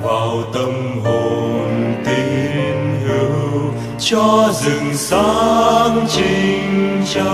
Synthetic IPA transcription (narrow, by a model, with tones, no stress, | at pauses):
vaː˨˩wt̪ə˧m | ɦo˨˩nt̪i˧˦nɦi˧˦w | t͡ɕɔ˧zɨ˨˩ŋsa˦ŋt͡ɕi˧ŋt͡ɕa˧˦